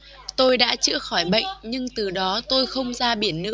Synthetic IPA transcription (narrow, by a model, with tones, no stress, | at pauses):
t̪o˧jɗa̰ː˧˥t͡ɕɨ̰˧˥əxɔ˧˩jɓə̰˧˨jŋ̟ɲɨ˧ŋt̪ɨ˨˩ɗɔ˨˦t̪o˧jxə˧wŋ͡mzaː˧ɓi˧˩ənːɨ̰˧˥